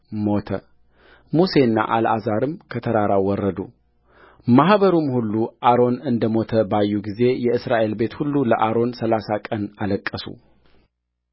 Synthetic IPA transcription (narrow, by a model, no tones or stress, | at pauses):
mo̞t̪ʰə̰ | muse̞nːa̰ʔala̰zaɾɨmkʰət̪ʰəɾaɾawɔrːəd̪ṵ | mahβəɾumhulːuʔaɾo̞nɨnd̪əmo̞t̪ʰəbajːuɡize̞jɛɨsɾaʔe̞lbe̞t̪hulːuləʔaɾo̞nsəlasakʼənaləkʼːəsṵ